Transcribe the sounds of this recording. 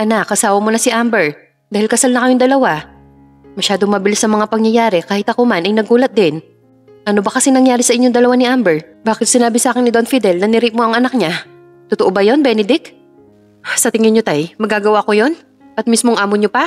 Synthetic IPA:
ʔɐnakʔɐsaːwɐmonɐsɪʔambɛɹ | d̪aːhɪlkɐsalnɐkɐjoŋd̪ɐlɐwa | mɐʃaːd̪oŋmɐbɪlɪsnɐmɐŋapɐŋjɐjaːɾɛkaːhɪt̪ɐko̞manʔɐjnɐɡuːlɐt̪̚d̪ɪn | ʔɐno̞bɐkɐsɛnɐŋjaːɾɪsɐʔɪɲːoŋd̪ɐlɐwanɪʔambɛɹbaːkɪt̪̚sɪnaːbɪsaːkɪnɪd̪o̞nfid̪ɛlnɐnɪɾiʔ̚mo̞ʔɐŋʔɐnak̚ɲa | t̪ʊt̪oʔobɐjo̞nbɛnɛd̪ɪk | sɐt̪ɪŋɪnɲot̪ajmɐɡːaːɡɐwako̞jo̞n | ʔɐt̪̚mismoŋʔaːmoɲopɐ

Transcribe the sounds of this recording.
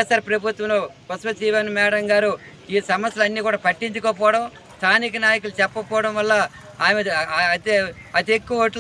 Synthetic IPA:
esaːɾpɾɐbʱut̪ʋɐlokɐsʋɐsiːʋɐnmɛːɽɐŋɡaːɾu | iːsɐmɐst̪jɐlɐnːiːkuːɽaːpɐʈːiɲt͡ʃukoːpɔːɽɐm | st̪ʰaːnikɐnaːjɐkulut͡ʃɛpːɐpɔːɽɐmʋɐlːɐ | aːjmet̪eɐt̪ekːuʋɐʈl

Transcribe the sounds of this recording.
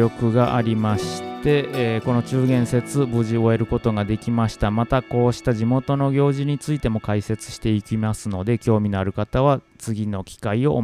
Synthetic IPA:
o̞kɯ̟ɡaʔaɾʲimaɕi̥t̪e̞ko̞no̞t͡ɕɨːɡẽ̞ɰ̃se̞t͡sɨbɯ̟ʑio̞e̞ɾɯ̟ko̞t̪o̞ɡad̪e̞kʲimaɕi̥t̪amat̪ako̞ːɕi̥t̪aʑimo̞t̪o̞no̞ɡʲo̞ːʑiɲ̟it͡sɨit̪e̞mo̞kaise̞t͡sɨ̥ɕi̥t̪e̞ikʲimasɨno̞d̪e̞kʲo̞ːmʲino̞aɾɯ̟kat̪aβ̞a | t͡sɨɡʲino̞kʲi̥kaio̞ʔː

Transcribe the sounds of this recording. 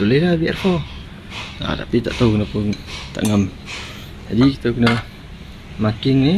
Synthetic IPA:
ulelabia̰rkɔ | na̰t̪a̰pit̪a̰ʔt̪akənapunt̪a̰ʔŋəm | d͡ʒadikit̪əkənə | makɪŋni

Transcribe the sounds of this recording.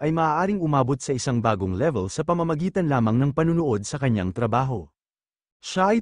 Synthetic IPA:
ʔɐjmɐʔaːʔaːɾɪŋʊmaːbo̞t̪̚sɐʔɪsaŋbaːɡoŋlɛvɛlsɐpɐmɐmɐɡiːt̪ɐnlaːmɐŋnɐŋpɐnʊnoʔo̞d̪̚sɐkɐɲːa̰ŋt̪ɾɐbaːɦo̞ | ʃaʔɐj

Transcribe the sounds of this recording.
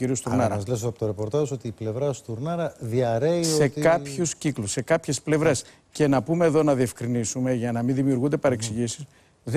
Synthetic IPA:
iɾiust̪uɾnɐɾɐzlesoɐpot̪oɾepo̞ɾt̪ɐzso̞t̪iːple̞vɾɐst̪uɾnɐɾɐðiɐɾe̞isoe̞kɐpçuscikluse̞kɐpçe̞sple̞vɾe̞s | ce̞nɐpume̞ːðo̞nɐðie̞fkɾinisume̞ʝɐnɐminðimiuɾɣund̪e̞pɐɾe̞ksiʝisi̥s | ð

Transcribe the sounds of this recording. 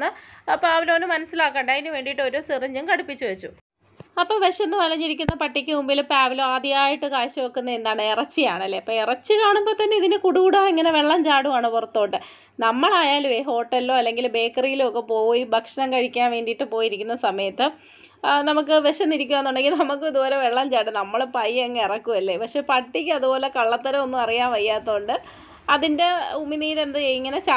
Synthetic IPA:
ɨɐpːaːʋilo̞ːnumɐnɐsilaːkːɐːɳɖɐðinɨʋe̞ːɳɖiʈːɨo̞ɾoːsirɨɲːɐmkɐɽupːit͡ɕːuʋet͡ɕːu | ɐpːoːʋeʂɐnːɨʋɐlɐɲːiɾikʲːunːɐpɐʈːikʲːɨmumbilpaːʋiloːaːd̪jijaːjiʈːɨkaːɕɐʋokːunːɐend̪aːɳɨirɐt͡ɕːijaːɳɐlːe̞ːɐpːoːirɐt͡ɕːɨkaːɳumbo̞ːt̪ɐnːe̞iðinɨkuɽuɽaːiŋːɐne̞ʋe̞ɭːɐmt͡ɕaːɽuʋaːɳɨpurɐt̪ːo̞ːʈːɨ | nɐmːɐɭaːjaːlʋeɦo̞ːʈːɐlːoːɐlːe̞ŋɡilbe̞ːkːɐrijilokːepo̞ːjibʱɐkʂɐnɐmkɐɻikʲːaːnʋe̞ːɳɖijiʈːɨpo̞ːjiɾikʲːunːɐsɐmɐjɐt̪ːɨ | nɐmuk̬ːɨʋeʂɐniɾik̬ʲːuɐnːuɳɖe̞ŋɡilnɐmukːɨiðuboːleʋeɭːɐmd͡ʑaːɽɨnɐmːɐɭpɐjːeŋːirɐkːuʋɐlːe̞pɐkʂe̞pɐʈːik̬ʲːɨɐðubo̞ːlekɐɭːɐt̪ːɐɾɐo̞nːumɐrijaːnʋɐjːaːt̪ːoːɳɖɨ | ɐðinde̞umːiniːɾe̞nd̪ɨiŋːɐne̞t͡ɕa

